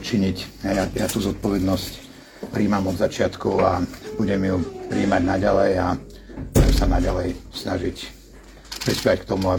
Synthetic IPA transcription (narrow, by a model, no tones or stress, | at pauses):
t͡ʃiɲicjajat̪uːzɔt̪̚pɔʋɛd̪nɔsc | pɾiːmamɔd̪zat͡ʃɪat̪kuʊabuɟɛmjupɾiːmaɟnaɟalɛja | buɟɛmsanaɟalɛjsnaʒic | pɾispɛack̚t̪ɔmua